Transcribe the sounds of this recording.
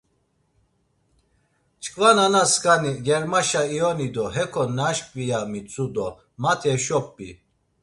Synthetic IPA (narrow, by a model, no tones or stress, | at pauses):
t͡ʃʼkʼvananaskʰʼaniɡɛɾmaʃaiɔnid̪ɔɦɛkʰɔnaʃpʼvijamit͡sʰʼud̪ɔ | mat̪ʰɛʃɔpʼːi